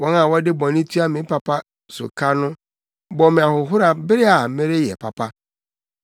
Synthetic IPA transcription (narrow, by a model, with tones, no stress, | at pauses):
wɔ̃˦nã˨wɔ˦dɪ˦bɔ̃˨nɪ̃˦tʰi˦a˦mɪ̃˨˦pʰa˨pʰa˦ | sʊ̰˨kʰa˦nʊ̃˦ | bɔ˨mɪ̃˨a˨hʊ˨ɦʊ˦ɾa˨bɪ˦ɾɪ˦a˨mɪ̃˦ɾɪ˦jɛ̰˨pʰa˨pʰa˦